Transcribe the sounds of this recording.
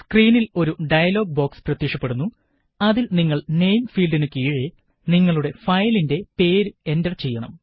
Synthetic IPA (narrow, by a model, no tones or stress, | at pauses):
skriːnilo̞ɾuɖɐjɐlo̞ːɡ̚bo̞ːksprɐt̪jikʂɐpːe̞ɽunːu | ɐðilniŋːɐɭne̞jmfiːlɖinɨkiːɻi | niŋːɐɭuɽe̞fɐjlinde̞pe̞ːɾɨe̞ndɐrt͡ɕe̞jːɐɳɐm